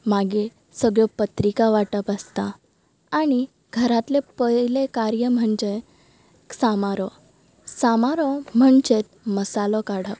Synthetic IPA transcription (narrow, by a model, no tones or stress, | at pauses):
maɡe | səɡɭjɔpət̪ɾikaʋaʈəpast̪a | aɽ̃i | ɡʱəɾat̪lepəjlekaɾjəm̤əɳd͡ʑe | samaɾɔ | samaɾɔm̤əɳd͡ʑet̪̚məsalɔkaɽ̤ə